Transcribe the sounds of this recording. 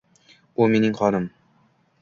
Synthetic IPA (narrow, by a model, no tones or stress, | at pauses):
umenɪŋχɒɾɤm